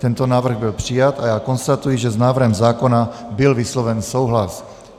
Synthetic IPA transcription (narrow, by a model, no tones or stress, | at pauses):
t̪ɛnt̪ɔnaːʋr̩ɣbilpr̥ijat̪ajakɔnst̪at̪ujiʒɛznaːʋr̩ɦɛmzaːkɔnabilʋislɔʋɛnsɔʊɦlas